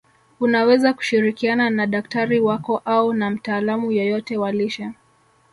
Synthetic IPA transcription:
unawɛzaku̥ʃiɾikiananaɗak̚taɾiwakɔʔaunam̩taːlamujɔjɔtɛwaliʃa

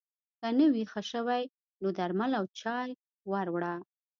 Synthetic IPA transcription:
kənəwixəʃəwaj | nod̪aɾmalawt͡ʃɑj | waɾwɽa

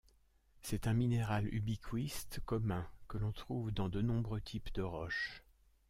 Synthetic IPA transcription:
sɛt̪ɛ̃mineʁaly̰bikʰwist̪kɔmɛ̃kəlɔ̃t̪χuvd̪ɑ̃d̪ənɔ̃bʁøt̪ʰipd̪əʁɔʃ

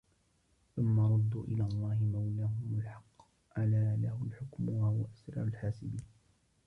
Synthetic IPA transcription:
θʊmːɑɾˤʊd̪ːuːʔɪlaːlˤːɑːhɪmawlaɦʊmʊlħɑqː | ʕalaːlahʊlħʊkmwahʊwaʔasɾɑ̰ʕʊlħaːsɪbiːn

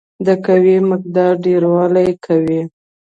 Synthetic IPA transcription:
d̪əkawimək̚d̪ɑɾɖeɾwɑlajkʰawi

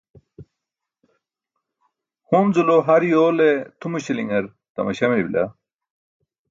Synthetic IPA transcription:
homzuloɦɐɾijoːlet̪ʰumuɕiliŋɡɐɾ | t̪ɐ̰mɐɕɐmiɾibila̰

